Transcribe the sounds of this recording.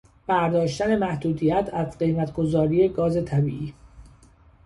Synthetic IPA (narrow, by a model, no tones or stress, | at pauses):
b̥æɾd̪ɒːʃt̪æne̞mæhd̪uːd̪ijæt̪ʰæzɢe̞jmæt̪ʰɡ̥o̞zɒːɾiːjeɡɒːze̞t̪ʰæbiːʔiː